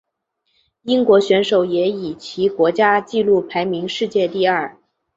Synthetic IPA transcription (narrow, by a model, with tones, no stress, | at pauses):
i˥ŋkwɔ˧˥ɕɥɛ˧˥nʂo˨˩ʊjɛ˧˥i˨˩t͡ɕʰi˧˥kwɔ˧˥t͡ɕja˥t͡ɕi˥˧lu˥˩pʰa˧˥ɪmi˧˥ŋʂɻ̩˥˧t͡ɕjɛ˥˧t̪i˥˧ɐ˥˩